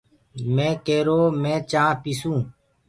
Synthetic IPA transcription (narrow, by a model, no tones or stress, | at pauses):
mẽːkeːɾoːmɛ̃ːt͡ʃãːpisũː